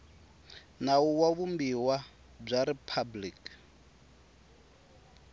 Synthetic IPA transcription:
nauwaβumbiwa | b͡ʐʷaɾipʰablik

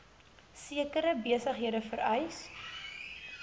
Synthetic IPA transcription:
siəkəɾəbiəsəχɦiədəfəɾœjs

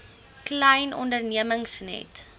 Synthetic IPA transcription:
klɐjnɔ̰ndərniəməŋsnɛ̰t

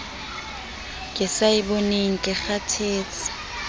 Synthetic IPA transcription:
kʼɪsaɪboneŋ̩kʼɪχatʰeːt͡sʼḁ

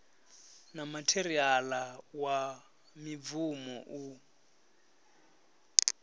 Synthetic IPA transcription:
namatʰeɾialawa | mib̪vumɔ̰ʔu

